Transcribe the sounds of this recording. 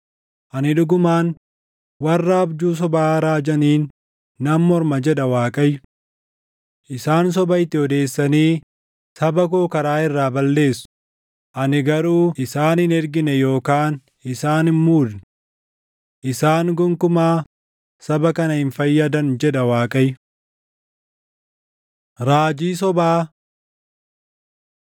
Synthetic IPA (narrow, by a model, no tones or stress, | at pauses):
ʔɐnɪᶑʊɡʊmaːn | wɐrːɐːbd͡ʒuːs̬ɔbaːɾaːd͡ʒɐniːnː | ɐmːɔɾmɐd͡ʒɛᶑɐwaːkʼɐjːʊ | ʔɪsaːns̬ɔbɐjt̪ːɪɔd̪e̞ːsːɐniː | sɐbɐk̬oːkɐɾaːɪrːaːbɐlːe̞ːsʊ̥ | ʔɐnɪɡɐɾuːʔɪsaːnɪnɛɾɡɪnɛjo̞ːkaːn | ɪsaːnmuːd̪nɪ | ʔɪsaːŋɡʊŋkʊmaː | sɐbɐkɐnɐhɪnfɐjːɐd̪ɐnd͡ʒɛᶑɐwaːkʼɐjʊ | ɾaːd͡ʒiːs̬ɔbaː